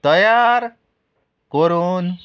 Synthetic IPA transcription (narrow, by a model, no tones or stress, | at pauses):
t̪ʌjaɾ | koɾun